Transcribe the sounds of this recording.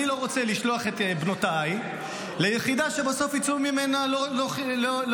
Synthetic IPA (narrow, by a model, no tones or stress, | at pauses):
ilo̞ʁo̞t͡se̞liʃlo̞aχet̪bnotaj | lejeχid̪aʃe̞baso̞fit͡suʁmimenalololol